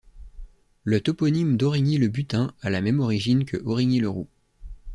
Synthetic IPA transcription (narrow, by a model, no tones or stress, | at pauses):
lət̪ɔpɔnimd̪ɔʁiɲiləbyt̪ɛ̃alamɛmɔʁiʒinkʰəʔɔʁiɲiləʁu